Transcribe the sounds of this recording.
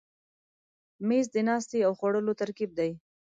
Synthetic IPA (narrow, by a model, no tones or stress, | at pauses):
mezd̪ənɑst̪eawxwaɽəlot̪aɾkib̚d̪aj